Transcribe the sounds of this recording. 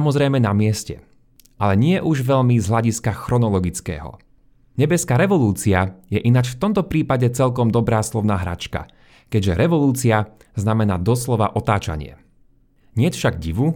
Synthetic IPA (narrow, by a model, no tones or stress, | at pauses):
amɔzɾɛjmɛnamɪɛscɛ̰ | alɛɲɪɛʔuʒʋɛʎmizɦlaɟiskaxɾɔnɔlɔɡit͡skɛ̰ːɦɔ̰ | ɲɛbɛskaːɾɛʋɔluːt͡siajɛʔinat͡ʃft̪ɔmt̪ɔpɾiːpaɟɛt͡sɛʎkɔmd̪ɔbɾaːslɔʊnaːɦɾa̰t͡ʃka̰ | kɛɟʒɛɾɛʋɔluːt͡sia | znamɛnaːd̪ɔslɔʋa̰ʔɔt̪aːt͡ʃa̰ɲɪɛ̰ | ɲɪɛcfʃaɡɟiʋu